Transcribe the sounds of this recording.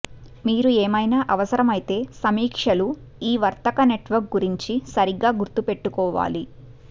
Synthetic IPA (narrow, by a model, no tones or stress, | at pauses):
miːɾueːmɐjnaːʔɐʋɐsɐɾɐmɐjit̪e̞ːsɐmiːkʂɐlu | iːʋɐɾt̪ɐkɐne̞ʈʋɐɾk̚ɡuɾiɲt͡ʃisɐɾiɡːaːɡuɾt̪ːupe̞ʈːukɔːʋa̰ːli